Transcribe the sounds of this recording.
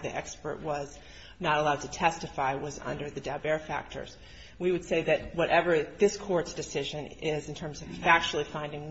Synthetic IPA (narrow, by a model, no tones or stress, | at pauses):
ðiʔɛkspə̰˞ʔ̚wʌz | nəɾəlaʊd̚tʰɨtʰɛstɨfaɪwʌzʌ̰̃ndə˞ðɨdɛbɛɹfæ̰k̚tʰə̰˞z̥ | wiwɨd̥seɪðɨt̚wʌɾʔɛvə˞ðɪskʰɔɹtsd̥ɨsɪʒɨ̃nɪz̃n̩tʰɜ̃˞mzʌv̥fæk̚t͡ʃul̩ˠifãɪ̃ndɪ̃ŋ